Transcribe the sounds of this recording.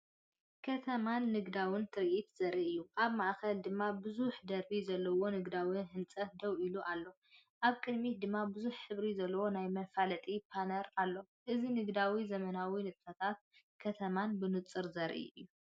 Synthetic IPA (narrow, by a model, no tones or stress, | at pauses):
kʰɐt̪ʰɐmanːɨɡd̪awɨnt̪ʰɨɾʔit̪z̥ɐɾʔiʔɨjːuʔaβmaʔkɐld̪ɨmːabɨzuħd̪ɐɾbizɐlːɐwo̞nɨɡd̪awinɦɨnt͡sʼɐt̪̚d̪ɐwʔiluʔalːo̞ | ʔaβkʼɨd̪mit̪̚d̪ɨmːabɨzuħħɨβɾizɐlːɐwo̞najmɐfalɐt̪ʼipʰanɐɾalːo̞ | ʔɨzinɨɡd̪awizɐmɐnawinɨt̪ʼfɐt̪ʰat̪̚ | kʰɐt̪ʰɐmanbɨnɨt͡sʼːɨɾzɐɾʔḭʔɨjːu